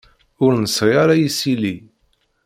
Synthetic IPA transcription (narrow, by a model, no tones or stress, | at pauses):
ʊɾnəsʁiaɾajisili